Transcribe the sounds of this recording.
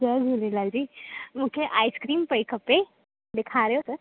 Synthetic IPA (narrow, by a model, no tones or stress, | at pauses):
əd͡zolelad͡ʑiməkʰeʔajskɾiːmpəjkʰəpe | d̪ekʰaɾeot̪ə